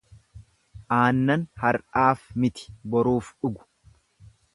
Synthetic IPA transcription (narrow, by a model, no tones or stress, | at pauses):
ʔaːnːɐnhɐɾʔaːfmɪt̪ɪ̥bɔɾuːfᶑʊɡʊ̥